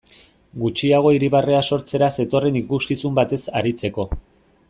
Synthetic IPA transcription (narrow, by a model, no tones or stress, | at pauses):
ɡut͡ʃiaɣ̞o̞iɾiβ̞are̞aso̞ɾt͡se̞ɾase̞t̪o̞re̞nikuskisumbat̪e̞saɾit͡se̞ko̞